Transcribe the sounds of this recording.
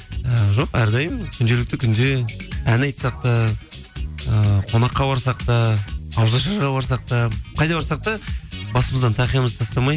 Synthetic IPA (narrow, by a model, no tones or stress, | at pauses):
əʒo̞qæɾd̪ɑjəmkʲʰʏnd̪e̞lɪk̚t̪ɪkʲʰʏnd̪eænɑjt̪sɑq̚t̪ɑ | əqʰo̞nɑqːɑbɑɾsɑq̚t̪ɑːwzɑʃ̬ɑɾʁɑbɑɾsɑq̚t̪ɑqʰɑjd̪ɑbɑɾsɑq̚t̪ɑbɑsəməzd̪ɑnt̪ʰɑqijɑməzt̪ʰɑst̪ɑmɑj